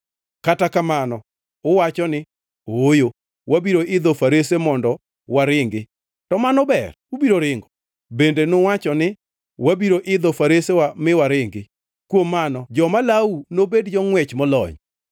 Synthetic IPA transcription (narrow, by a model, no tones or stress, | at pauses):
katakamanɔ | ʊwat͡ʃɔnɪ | ojo | wabiɾoʔɪd̪ɔfaɾesemɔndɔ | waɾɪŋɡɪ | tɔmanɔbɛr | ubiɾoɾɪŋɡɔ | bendenowat͡ʃɔnɪ | wabiɾoʔɪd̪ɔfaɾesewamɪwaɾɪŋɡɪ | kwomːanɔd͡ʒɔmalaunobedd͡ʒɔŋwɛt͡ʃmɔlɔ̰ɲ